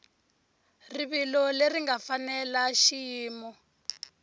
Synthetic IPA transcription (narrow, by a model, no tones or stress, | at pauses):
riβilɔleriŋɡafanɛlaʃijiːmɔ